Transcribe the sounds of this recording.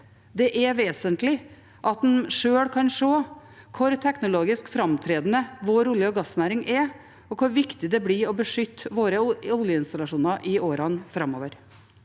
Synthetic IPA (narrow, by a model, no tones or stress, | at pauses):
d̪ɛʔɛʋeːsənt̪lɪ | ʔɑt̪̚d̪ɛnʂøːɽkʰɑnʂoː | kʰʊɾt̪ʰɛknʊloːɡɪskfɾɑmt̪ʰɾeːd̪ənəʋʊɾʊləɔɡɑsːnæːɾɪŋʔɛ | ɔkʰʊɾʋɪkt̪ɪd̪ɛblɪɔbəʂʏt̪ːʋoːɾəʊljəɪnst̪ɑlɑʂuːnɑɾʔɪoːɾɑnfɾɑmo̰ːʋəɾ